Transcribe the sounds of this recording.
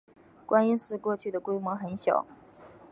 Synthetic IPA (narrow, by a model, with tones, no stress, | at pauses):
kwa˥ni˥nʂɻ̩˥˧kwɔ˥˧t͡ɕʰy˥˩d̪ə˩kwe˥ɪmwɔ˧˥xə˧˥nɕjɑ̰˨˩˦ʊ